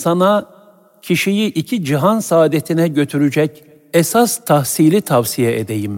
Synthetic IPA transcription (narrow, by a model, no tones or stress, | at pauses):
sana | cʰiʃijiʔicʰid͡ʒiɦansaːd̪et̪ʰinɛɟø̞t̪ʰyɾyd͡ʒɛc | esast̪ʰahsilʲit̪ʰavsijɛʔed̪ejim